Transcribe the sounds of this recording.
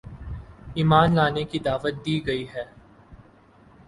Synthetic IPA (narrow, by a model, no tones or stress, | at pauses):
iːmaːnlaːnekid̪aːʋət̪̚d̪iːɡɐiɦɛː